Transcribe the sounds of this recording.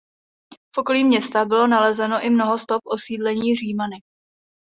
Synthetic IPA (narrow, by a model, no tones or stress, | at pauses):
fʔo̞koliːmɲɛst̪abɪlo̞nalɛzɛno̞ʔɪmno̞ɦo̞st̪o̞p̚ʔo̞siːdlɛɲiːr̝iːmanɪ